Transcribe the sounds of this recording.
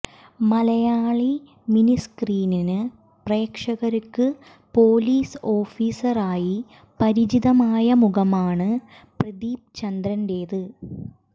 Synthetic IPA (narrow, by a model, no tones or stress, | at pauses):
mɐlɐjaːɭi | miniskriːninɨ | pre̞ːkʂɐɣɐɾɐkːɨ | poːliːso̞ːfiːsɐraːji | pɐɾid͡ʑiðɐmaːjɐmuɣɐmaːɳɨ | prɐd̪iːp̚t͡ɕɐnd̪ɾɐndeːðɨ